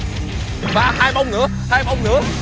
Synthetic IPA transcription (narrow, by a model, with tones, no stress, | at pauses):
vaː˨˩haː˧jɓa˧wŋ͡mŋɨ̰˧˩˦əhaː˧jɓa˧wŋ͡mŋɨ̰˧˦ə